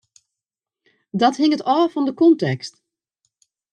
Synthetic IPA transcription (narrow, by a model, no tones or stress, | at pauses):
dɔthɪŋətɔːfɔndəkɔntɛkst